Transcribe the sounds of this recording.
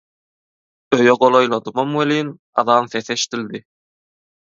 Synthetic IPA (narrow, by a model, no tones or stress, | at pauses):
øjøɢolˠojlˠɑd̪ɯmɑmweliːn | ɑ̰ðɑːnθeθeʃt̪ilʲd̪i